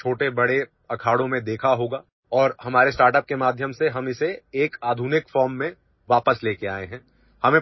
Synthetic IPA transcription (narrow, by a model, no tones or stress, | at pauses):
t͡ʃʰoːʈebɐɽe | ɐkʰaːɽõmẽd̪eːkʰaɦoːɡaː | ɔːɾhɐmaːɾesʈaːɾʈəp̚kemaːd̪ʱjəmseɦɐmɪseːkaːd̪ʱuːnɪkfɔːɾmːẽ | ʋaːpəsleːkeaːeɦɛ̃ː | hɐmẽ